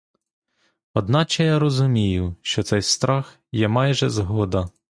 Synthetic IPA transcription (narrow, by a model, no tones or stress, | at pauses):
ɔd̪nɑt͡ʃɛjaɾɔzʊmʲijʊʃt͡ʃɔt̪sɛjst̪ɾɑx | jɛmɑjʒɛzɦɔd̪ɐ